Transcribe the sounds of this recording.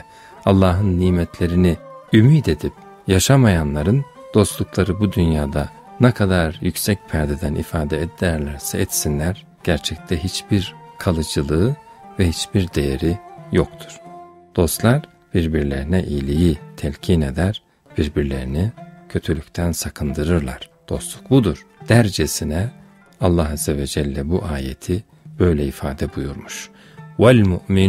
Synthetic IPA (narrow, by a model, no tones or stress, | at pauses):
alˠːaːɦɯnːiːmɛt̪lʲe̞ɾiniymiːd̪e̞d̪ip | jaʃamajanlˠaɾɯnd̪̥o̞st̪lˠuklˠaɾɯbud̪ynjaːd̪a | nɛkʰad̪aɾjycsɛc̚pʰæɾd̪ed̪ænʔḭfaːd̪ɛɛd̪ːɾlʲæɾsɛɛt̪sinlʲæɾ | ɟ̥æɾt͡ʃʰɛc̚t̪ʰɛɦit͡ʃb̥iɾkʰalˠɯd͡ʒɯlˠɯɯ | vɛɦit͡ʃbiɾd̪e̞jeɾijokt̪ʰu̥ɾ̥d̪̥o̞st̪lˠaɾ | b̥iɾbiɾlʲeɾinɛʔijlʲijit̪ʰɛlʲcʰine̞d̪æɾ̥ | b̥iɾbiɾlʲe̞ɾinicʰø̞t̪ʰylʲycʲt̪ʰænsakʰɯnd̪ɯɾɯɾlˠaɾ̥d̪̥o̞̰st̪lˠuk̚bud̪uɾ̥d̪̥æɾd͡ʒesinɛ | alˠːaɦazːevɛd͡ʒɛlʲːɛbuʔaːjḛt̪ʰi | b̥ø̞jlʲɛifaːd̪ɛbujuɾmuʃ | walʲmuʔmin